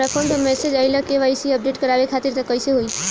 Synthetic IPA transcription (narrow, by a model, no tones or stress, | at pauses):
əpʰoɳd̪əmesed͡ʒajləkeʋajsiəp̚ɖeʈkəɾabekʰat̪iɾt̪əkəjseɦoj